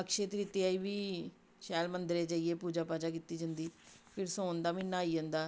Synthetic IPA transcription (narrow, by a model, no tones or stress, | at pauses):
əkʃeːt̪ɾit̪eːaːiːʋiː | ʃɛːlmənd̪ɾeːd͡ʒaːiːeːpuːd͡ʒaːpaːd͡ʒaːkit̪ːiːd͡ʒənd̪iːpʰɪɾsõːnd̪aːmɪnːaːiːd͡ʒə̃ːnd̪aː